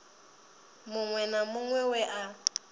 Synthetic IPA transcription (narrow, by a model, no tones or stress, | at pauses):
mʊŋwɛnamʊŋwɛwɛʔa